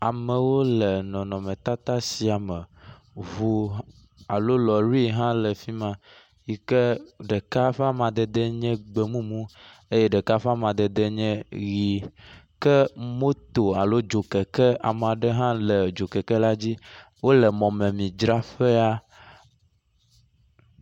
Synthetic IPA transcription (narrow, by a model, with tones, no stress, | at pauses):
a˨mɛ̃˨wo˦lɛ˨nɔ̃˨nɔ̃˨mɛ̃˨t̪a˦t̪a˦si˨˦a˨mɛ˨ | vu˨ | a˨lo˦lɔ˨ɾi˦ɦã˦lɛ˨fi˦mã˨ | ji˨kɛ˦ɖɛ˨ka˦ɸɛ˦a˦mã˨d̪ɛ˨d̪ɛ˦ɲɛ̃˦ɡ͡be˨mũ˦mũ˦ | e˦jɛ˦ɖɛ˨ka˦fɛ˦a˦mã˨d̪ɛ˨d̪ɛ˦ɲɛ̃˦ɣi˨ | kɛ˦mõ˦t̪o˨a˨lo˦d͡ʒo˨kɛ˨kɛ˦a̰˨m˨a˨ɖɛ˦ɦã˦lɛ˨d͡ʒo˨kɛ˨kɛ˦la˦d͡ʑi˦ | wo˦lɛ˨mɔ̃˨mɛ̃˨mĩ˨d͡ʒɾa˦ɸɛ˦a˦